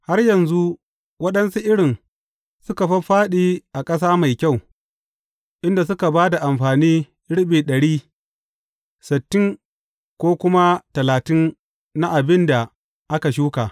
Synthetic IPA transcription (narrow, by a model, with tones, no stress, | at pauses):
ha˦rjɐ˨nzu˦ | wɐ˦ɗɐ˦nsu˦ʔɪ˦ɽɪ˨n | sʊ˦ka˨ɸɐ˦ɸaː˦ɗiː˦ʔa˨kʼɐ˦s̬aː˦ma˨jkʲa˦˨w | ʔɪ˦nda˨s̬ʊ˦ka˨baː˦da˨ʔa˨mɸaː˨niː˦ | ɽɪ˦ɓiː˨ɗɐ˨ɽiː˦ | sɪ˨tːɪ˦ŋ | kʷoː˦kʷʊ˦ma˦tɐ˨laː˨tɪ˦nː | a˦ʔa˨bɪ˦nda˨ | ʔa˦ka˨ʃ̬uː˦ka˨